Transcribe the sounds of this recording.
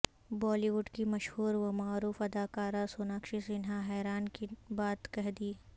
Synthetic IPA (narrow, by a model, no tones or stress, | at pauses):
bɔːliʋʊɖkimɐʃhuːɾʋomaːɾuːfɐd̪aːkaːɾasoːnaːkʃiseɪnɦãɦɛːɾaːnkibaːt̪kɐɦd̪iː